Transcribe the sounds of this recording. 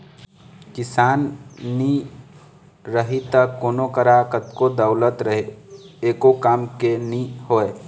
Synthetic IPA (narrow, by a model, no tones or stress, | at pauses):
kɪsaːnni | ɾəɦit̪əkːoːnokəɾakət̪kod̪ɐʊlət̪ɾɐɦeeːkokaːmkenĩhoːeː